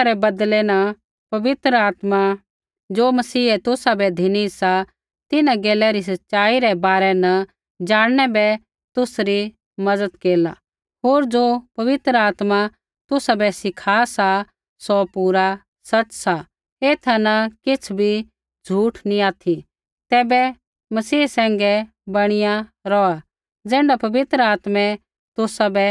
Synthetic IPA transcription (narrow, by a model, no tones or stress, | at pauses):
aɾɛbɐd̪lɛnɐ | pɐʋɪt̪ɾəaːt̪ma | d͡ʒoːmɐsiːɛt̪ʊsabɛd̪ʱɪnisa | t̪ɪnãɡeːlɛɾis̬ɐtːʃaːiɾɛbaːɾɛnɐ | d͡ʒaːɽñɛbɛ | t̪ʊsɾi | mɐdəd̪keːla | ɦoːɾd͡ʒoːpɐʋɪt̪ɾəaːt̪ma | t̪ʊsabɛsɪkʰaːsa | sɔpuɾa | sɐt͡ʃsa | eːt̪ʰanɐkɪt͡sʰbʱi | d͡zʱuːʈnĩaːt̪ʰi | t̪ɛːbɛ | mɐsiːsɛ̃ːŋɡɛ | bɐɽ̃ɪja | ɾɔa | d͡zɛ̃ːɳɖapɐʋɪt̪ɾəaːt̪mɛ̃ | t̪ʊsabɛ